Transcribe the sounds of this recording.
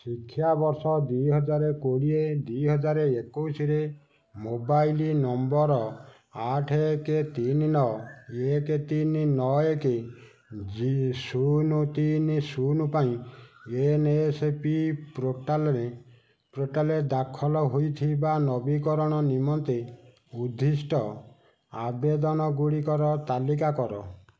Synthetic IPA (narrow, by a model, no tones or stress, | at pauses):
sikʰːjabɔɾsɔd̪ujɦɔd͡ʒaɾekoɽied̪uiɦɔd͡ʒaɾeekousiɾe | mobajlinɔmbɔɾɔ | aʈʰeket̪ininɔeket̪ininɔeke | isunut̪inisunupaĩenesepipɾoʈalɔɾe | pɾoʈaled̪akʰɔlɔɦojt̪ʰibanɔbikɔɾɔɽ̃ɔnimɔnt̪i | ud̪ʱːisʈɔ | abed̪ɔnɔɡuɽikɔɾɔt̪alikakɔɾɔ̰